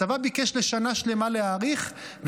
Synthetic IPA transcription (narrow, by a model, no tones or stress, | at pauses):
avabikeʃle̞ʃanaʃle̞maleaːʁiχv